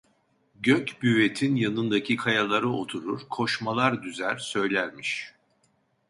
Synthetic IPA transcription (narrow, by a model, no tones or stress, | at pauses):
ɟøcbyve̞t̪ʰinjanɯnd̪acʰikʰajalˠaɾɯo̞t̪ʰuɾuɾkʰo̞ʃmalˠaɾd̪yzæɾsø̞jlʲæɾmiʃ